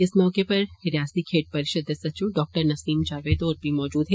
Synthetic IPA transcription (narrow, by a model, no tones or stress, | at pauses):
ɪsmɔːkepɐɾhɪɾjaːst̪ikʰeːʈ̚pɐɾɪʃəd̪əsɐt͡ʃũɖɔːk̚ʈəɾnɐsiːmt͡ʃaːʋeːd̪oːɾbʱimɔːd͡ʒuːd̪ɦɛ